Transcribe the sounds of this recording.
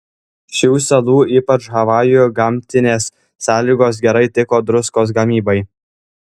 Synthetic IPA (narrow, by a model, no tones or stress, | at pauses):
ʃʲuːsʲɛlˠuːiːpɐt͡ʃɣɐʋɑːjʊɡɐmʲt̪ʲɪnʲeːsː | ɑːlʲiːɡoːs̬ɡʲɛɾɐɪt̪ʲɪkoːd̪ɾʊskoːs̬ɡɐmʲiːbɐɪ